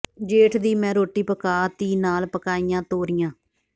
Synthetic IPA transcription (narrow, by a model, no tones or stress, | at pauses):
d͡ʒeːʈʰd̪iːmɛ̃ːɾoːʈiːpəkaːt̪iːnaːlpəkaːijãːt̪oːɾɪjãː